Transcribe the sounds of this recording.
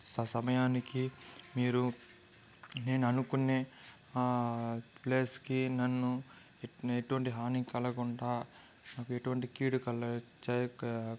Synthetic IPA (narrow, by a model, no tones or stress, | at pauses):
sɐsɐmɐjaːnikimiːɾu | ne̞ːnuɐnukunːe̞ː | ple̞ːskinɐnːu | eʈuʋɐɳʈiɦaːnikɐlɐɡuɳɖaː | naːkueʈuʋɐɳʈikiːɽukɐlɐt͡ʃːɐ